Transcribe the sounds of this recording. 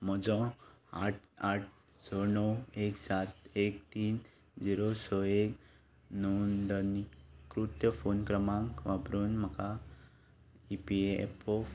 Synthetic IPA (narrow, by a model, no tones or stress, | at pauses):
m̤ɔd͡zɔ̃a̰ʈ̚ʰaʈ̚ʰ | sɔnəweksat̪ek̚t̪iːn | d͡ziɾosɔek | nɔnd̪ənikɾut̪jəfonkɾəmãŋkʋabɾuːnm̤əka | ipieḛpo